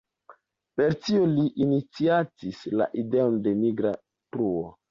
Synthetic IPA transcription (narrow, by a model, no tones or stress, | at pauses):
pe̞ɾtioliʔinit͡siat͡sisla̰ʔideo̞nde̞miɡɾa | pɾuo